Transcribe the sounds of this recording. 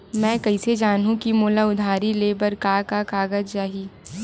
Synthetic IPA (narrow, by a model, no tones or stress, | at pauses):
mɛ̃ːkɐised͡ʒaːnɦũkimoːlaʊd̪ʱaːɾileːbəɾkaːkakaːɡəd͡ʒd͡ʒaːɦiː